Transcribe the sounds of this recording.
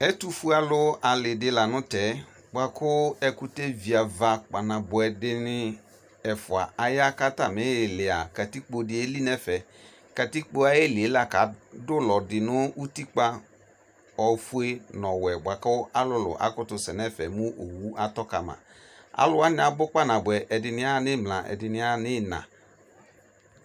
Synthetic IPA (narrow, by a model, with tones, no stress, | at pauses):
ɛ˦tu˦fu˦a˨lʊ˦a˨lɪ˨dɪ˦la˨nʊ̃˦tɛ˨˦ | ɡ͡bʷa˨kʊ˦ɛ˦kʊ˦te˦vi˨a˨va˨k͡pa˨nã˨bʊ˨ɛ˨dɪ˦nɪ˦ | ɛ˨fʊ˨a̰˨a˨ja˦ka˦ta˨mɪ˨˦ɪ˨lɪ˨a˨ka˨ti˦k͡po˨dɪ˨e˦li˦nɛ˦fɛ˨ | ka˨ti˦k͡po˦a˨je˦lɪ˨e˨˦la˨ka˨˦dʊ˦lɔ˨dɪ˨nʊ˦u˦ti˦k͡pa˦ | ɔ˨fu˦e˦nɔ˨wɛ˨ba˨ka˦ʔa˦lʊ˦lʊ̰˨ʔa̰˨kʊ˦tʊ˨sɛ˨nɛ˦fɛ˨mʊ˦ʔo˨wu˦ʔa˦tɔ˦ka˨ma̰˨ | a̰˦lʊ˦a˦nɪ˦a˨bʊ˦k͡pa˦nã˨bʊ˨ɛ˨ʔɛ˨dɪ˨nɪ˦a˦˨nɪ˦mlã˨ʔɛ̰˨dɪ˨nɪ̃˨˦a˦˨nɪ˦˨nã̰˨